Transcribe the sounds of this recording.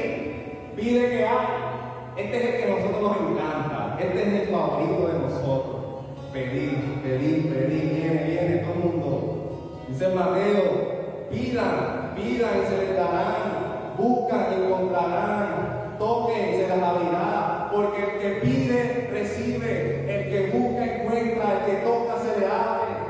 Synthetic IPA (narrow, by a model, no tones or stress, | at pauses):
piðekeaj | est̪oeselkenosot̪ɾoɦnoseŋkãnt̪a̰eht̪eeselfaβoɾit̪oðenosot̪ɾos | peðimospeðimopeðiββjeneβjenet̪oomũnd̪o | isemat̪eo | piðaŋpiðaŋseled̪aɾaŋ | buhkaŋeŋkompɾaɾaŋŋ | t̪okeseðalaβiðaapoɾkelkepiðeresiβe | elkeβuhkaeŋkwent̪ɾaelket̪okaseleate